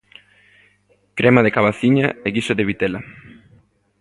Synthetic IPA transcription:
kɾʔemaðekaβaθiɲaeɣisoðeβit̪ela

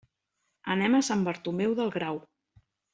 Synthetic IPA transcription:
ə̰nɛməsambəɾt̪umewðəlˠɣɾaw

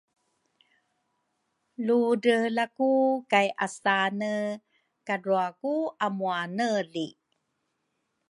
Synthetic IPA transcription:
ludəlakukajʔasanə | kaɾuakuamuanəli

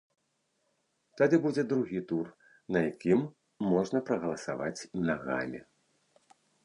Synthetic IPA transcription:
t̪ad̪ɨbud͡zʲɛd̪ɾuɣʲit̪ur | nɐjakʲimː | ɔʐnɐpɾɐɣɐlˠɐsa̰va̰t͡sʲmnaɣa̰mʲḭ

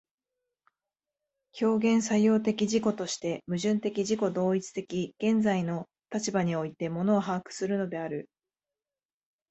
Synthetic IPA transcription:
kʲo̞ːɡẽ̞ɰ̃sajo̞ːt̪e̞kʲiʑiko̞t̪o̞ɕi̥t̪e̞mɯ̟ʑɨ̃nt̪e̞kʲiʑiko̞d̪o̞ːit͡sɨ̥t̪e̞kʲiɡ̥ẽ̞nd͡zaino̞ | t̪at͡ɕibaɲ̟io̞it̪e̞mo̞no̞ːɦaːkɯ̟̥sɨɾɯ̟no̞d̪e̞aɾɯ̟

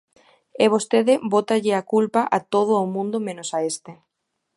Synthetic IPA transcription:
eβ̞ost̪eðɪbot̪aʎɪakulpaʔat̪oð̞ʊːmũnd̪omẽnosaest̪e

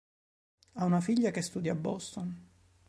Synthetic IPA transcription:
aunafiʎːakest̪uːd̪jabːɔst̪on

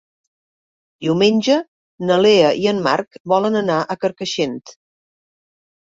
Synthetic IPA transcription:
d̪iwmenʲd͡ʒə | nəleəʔiənma̰rkbɔlənənaʔəkəɾkəʃent̪

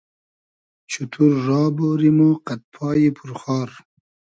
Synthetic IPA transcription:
t͡ʃʰut̪ʰuɾːɑːboɾimoqat̪̚pʰɑːjipʰuɾχɑːɾ

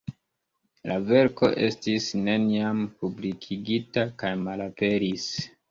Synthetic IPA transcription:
lave̞ɾko̞̰ʔe̞stisne̞niampublikʰiɡitakajmalape̞ɾis

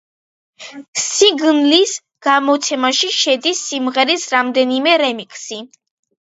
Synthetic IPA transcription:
siɡnlis | ɡ̥amɔt̪sʰɛmaʃiʃɛd̪isːimʁɛɾisɾamd̪ɛnimɛɾɛmikʰʼsi

